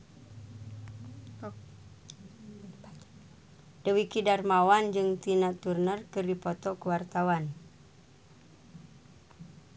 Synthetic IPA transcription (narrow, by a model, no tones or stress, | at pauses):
dəwikidarmawand͡ʒɨŋt̪inat̪urnərkɨrdipɔt̪ɔkuwart̪awan